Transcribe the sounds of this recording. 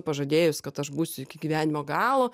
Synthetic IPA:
pɐʒɐd̪ʲeːjʊsʲkɐt̪ɐʃbuːsʲʊɪkʲɪɡʲiːʋʲæːnʲɪmoːɡɑːlˠoː

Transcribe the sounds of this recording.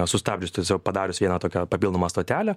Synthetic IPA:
sʊst̪ɑːbʲd͡ʒʲʊst̪ɐsʲɛʊpɐd̪ɑːɾʲʊsʋʲiɛnɐt̪oːkʲɛpɐpʲilˠnomɐst̪oːt̪ʲæːlʲɛ

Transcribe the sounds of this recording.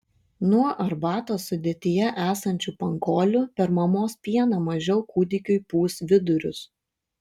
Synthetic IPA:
nuɔʔɐɾbɑːt̪oːsʊd̪ʲiːt̪ʲɪjɛʔæːsɐnʲt͡ʃʲʊpɐŋɡoːlʲʊpʲɛɾmɐmoːspʲiɛnɐmɐʒʲɛʊkuːd̪ʲɪkʲʊɪpuːsʋʲɪd̪ʊɾʲʊ̰s

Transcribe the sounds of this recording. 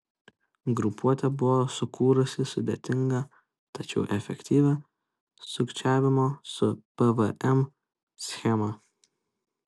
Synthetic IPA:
ɡɾʊpuɔt̪ʲɛbʊʋoːsʊkuːɾʊsʲɪsʊd̪ʲḛt̪ʲɪŋɡɐ | t̪ɐt͡ʃʲɛʊʔɛfʲɛ̰kt̪ʲiːʋʲɐ | sʊkt͡ʃʲæːʋʲɪmoːsʊpɛʋəʔɛm | sʲxʲɛmɐ

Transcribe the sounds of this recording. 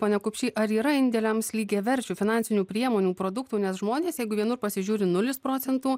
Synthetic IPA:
poːnʲɛkʊpʲʃʲiːʔɐɾiːɾɐɪnʲd̪ʲɛlʲɛmslʲiːɡʲeːʋʲɛɾʲt͡ʃʲuːfʲɪnɑnʲsʲɪnʲuːpʲɾʲiɛmoːnʲuːpɾoːd̪ʊk̚t̪uːnʲɛsʒmoːnʲeːsjɛɪɡʊʋʲiɛnʊrpɐsʲɪʒʲuːɾʲɪnʊlʲɪspɾoːtsʲɛnt̪uː

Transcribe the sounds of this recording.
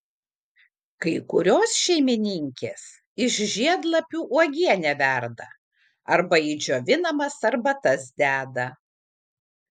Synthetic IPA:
kɐɪkʊɾʲoːsʃʲɛɪmʲɪnʲɪŋʲkʲeːs | ɪʃʒʲiɛd̪lˠɐpʲuːʔuɔɡʲiɛnʲɛʋʲæˑɾd̪ɐ | ɐɾbɐɪd͡ʒʲoːʋʲɪnɐmɐsɐɾbɐt̪ɐsd̪ʲæːd̪ɐ

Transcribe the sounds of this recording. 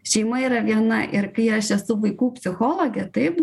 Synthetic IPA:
ʃʲɛɪmɐiːɾɐʋʲiɛnɐʔɪɾkɐɪɐʃɛsʊʋɐɪkuːpʲsʲɪxoːlˠoːɡʲɛt̪ɐɪp

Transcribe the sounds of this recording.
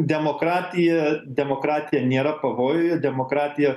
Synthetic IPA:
d̪ʲɛmoːkɾɑːt̪ʲɪjɛd̪ʲɛmoːkɾɑːt̪ʲɪjɛnʲeːɾɐpɐʋoːjʊjɛd̪ʲɛmoːkɾɑːt̪ʲɪjɛ

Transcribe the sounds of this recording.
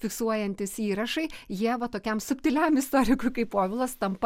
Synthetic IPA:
fʲɪksuɔjɛnʲt̪ʲɪsiːɾɐʃɐɪjiɛʋɐt̪oːkʲɛmsʊpʲt̪ʲɪlʲæmɪst̪oːɾʲɪkʊjkɐɪppoːʋʲɪlˠɐst̪ɐmp

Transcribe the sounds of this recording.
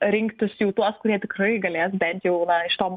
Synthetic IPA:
ɾʲɪŋkt̪ʲɪsjɛʊt̪uɔskʊɾʲiɛt̪ʲɪkrɐɪɡɐlʲeːsbʲɛnʲt̪jɛʊnɐɪʃt̪oːm

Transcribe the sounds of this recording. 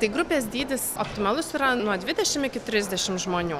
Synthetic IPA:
t̪ɐɪɡɾʊpʲeːs̬ʲd̪ʲiːd̪ʲɪso̰pʲt̪ʲɪmɑlˠʊsiɾɐnuɔd̪ʲʋʲɪd̪ʲɛʃʲɪmɪkʲɪt̪ʲɾʲɪzʲd̪ʲɛʃʲɪmʒmoːnʲuː

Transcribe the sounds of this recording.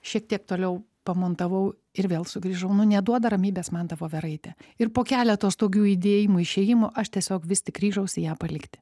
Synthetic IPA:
ʃʲiɛkt̪ʲiɛk̚t̪oːlʲɛʊ | pɐmoːnt̪ɐʋɐʊ | ɪɾʋʲeːlˠsʊɡɾʲiːʒɐʊnʊnʲɛd̪uɔd̪ɐɾɐmʲiːbʲeːsmɐnd̪ɐʋoːʋʲɛɾɐɪt̪ʲɛɪrpoːkʲæːlʲɛt̪oːst̪oːɡʲuːid̪ʲeːjɪmʊɪʃʲeːjɪmʊʔɐʃt̪ʲiɛsʲoːkʋʲɪsʲt̪ʲɪkɡɾʲiːʒɐʊsʲɪjæːpɐlʲɪkt̪ʲɪ̥

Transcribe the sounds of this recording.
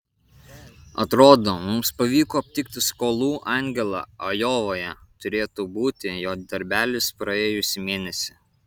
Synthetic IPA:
ɐ̰t̪ɾoːd̪oːmʊmspɐʋʲiːkoːɐpʲt̪ʲɪkt̪ʲɪskoːlˠuːʔɑˑŋʲɡʲɛlˠɐ̰ɐjoːʋoːjɛt̪ʊɾʲeːt̪uːbuːt̪ʲɪjoːd̪ɐɾʲbʲæːlʲɪspɾɐeːjʊsʲɪmʲeːnʲɛsʲɪ

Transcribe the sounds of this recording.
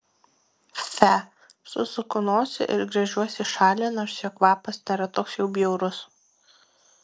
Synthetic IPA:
fʲæ | sʊsʊkʊnoːsʲɪ̰ʔɪɾɡɾɐʒʲuɔsʲɪʃɑːlʲeːnɐʃsʲɛkʋɑːpɐsnʲeːɾɐt̪oːksjɛʊbʲjɛʊɾʊs

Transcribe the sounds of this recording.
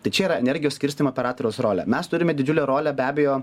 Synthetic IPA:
t̪ɐɪt͡ʃʲɛiːɾɐɛnʲɛɾʲɡʲɪjosʲkʲɪɾʲsʲt̪ʲɪmoːpʲɛɾɑːt̪oɾʲɛʊsɾoːlʲɛ̰mʲɛst̪ʊɾʲɪmʲɛd̪ʲɪd͡ʒʲʊlʲɛɾoːlʲæbʲæːbʲɛjoː

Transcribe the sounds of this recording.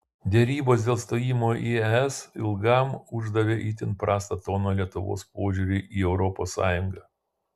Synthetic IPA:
d̪ʲɛɾʲiːboːs̬d̪ʲeːlˠst̪oːjiːmoːʔiːɛɛsɪlˠɡɐˑmʊʒd̪ɐʋʲeːʔit̪ʲɪnpɾʔɑːst̪ɐt̪oːnoːlʲiɛt̪ʊʋo̰ːspoːʒʲuɾʲʊʔiːɛʊɾɔpoːsːɑ̰ːjʊŋɡɑː

